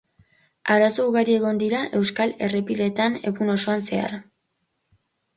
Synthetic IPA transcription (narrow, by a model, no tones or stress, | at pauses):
aɾasouɣaɾie̞ɣ̞o̞nd̪iɾaʔe̞wskale̞re̞piðe̞t̪ane̞ɣuno̞so̞anse̞a̰r